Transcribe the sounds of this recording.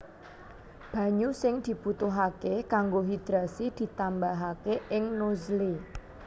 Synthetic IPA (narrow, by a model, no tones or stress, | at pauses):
b̥ä̤ɲusɪŋd̪̥i̤put̪ʊɦakekaŋɡoɦid̪̥ɾasid̪̥i̤t̪ambaɦakeʔɪŋnozli